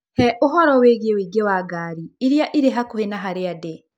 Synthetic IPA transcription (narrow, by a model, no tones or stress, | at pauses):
hɛʔoɦɔɾɔweːɣewiːɡewaɡaːɾiiɾjaʔiɾeɦakuhenaɦaɾeadɛ